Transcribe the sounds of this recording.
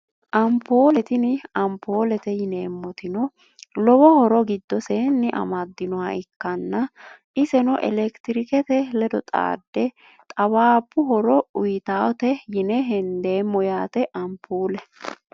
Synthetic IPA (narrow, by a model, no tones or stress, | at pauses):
ʔɐmpoːlɛt̪ɪnɪɐmpʰo̞ːlɛt̪ɛjɪneːmːɔt̪ɪnɔ | lɔwɔhɔɾɔɡɪd̪ːɔseːnːɪʔɐ̰mɐd̪ːɪnɔwɐɪkːɐnːɐʔɪsɛnɔʔɛ̰lɛkt̪ɪɾɪkɛt̪ɛlɛd̪ɔt̪ʼa̰ːd̪ːɛ | t̪ʼɐwaːpːʊɦɔɾɔʊjt̪aːwɔt̪ɛjɪnɛɦɛnd̪e̞ːmːɔjaːt̪ɛʔɐmpʰuːlɛ